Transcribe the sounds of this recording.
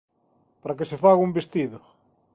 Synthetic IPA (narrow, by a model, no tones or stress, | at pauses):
paɾak̬esefaɣumbest̪iðʊ